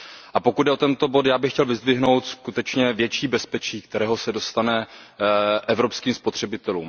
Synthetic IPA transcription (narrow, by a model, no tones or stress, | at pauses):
ʔapo̞kud̪dɛo̞t̪ɛnt̪o̞bo̞t̪jaːbɪxcɛlvɪzd̪vɪɦno̞wt̪skut̪ɛt͡ʃɲɛvjɛt͡ʃiːbɛspɛt͡ʃiːk̚t̪ɛɾɛːɦo̞sɛdo̞st̪anɛ | ʔɛvɾo̞pskiːmspo̞t̪r̝̥ɛbɪt̪ɛlṵːm